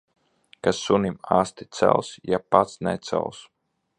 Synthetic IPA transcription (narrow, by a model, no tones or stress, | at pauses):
kasunimaːst̪i̥t̪sɛ̰lˠsjapat̪snɛ̰t̪sɛ̰lˠs